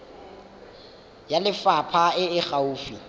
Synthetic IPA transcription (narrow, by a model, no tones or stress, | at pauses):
jalɪfapʰaɪɪχauːfi